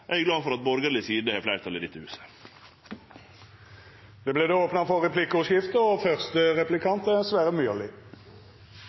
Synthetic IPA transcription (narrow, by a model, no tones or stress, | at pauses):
ʔæɡlɑːfɔɾɑt̪̚bɔɾɡəlɪsiːd̪əhæflæɪɾt̪ʰɑlɪd̪ɪt̪ːəhʉːsə̥ | d̪̥eːbleːd̪eːoːpnɑfɔɛpʰlɪkəʉʂjɪft̪əɔfœʁst̪əʁɛplɪkʰɑnt̪əsʋæːʁəmyːəlɪ